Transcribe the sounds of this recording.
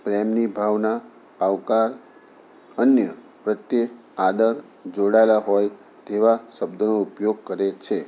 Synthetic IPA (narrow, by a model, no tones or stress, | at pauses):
pɾɛmnibʱaʋnaː | ʋkaɾ | ənjə | pɾət̪jə | ad̪əɾ | d͡ʒoɽaelaɦɔj | t̪eʋaʃəbd̪ʱənoupjoɡ̚kəɾet͡ʃʰe